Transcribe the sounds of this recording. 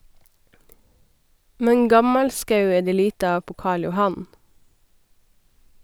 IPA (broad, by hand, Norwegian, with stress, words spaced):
ˈmɛn ˈɡɑmɑlˌskɑʉ ˈeː ˈdeː ˈliːtə ˈɑːʋ ˈpoː ˈkɑːɭ jʊˈhɑn